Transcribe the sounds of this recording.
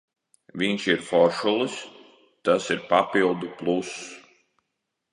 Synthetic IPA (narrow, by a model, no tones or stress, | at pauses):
viɲʲʃiɾfɔɾʃulˠis | t̪asiɾpapilˠd̪uplˠus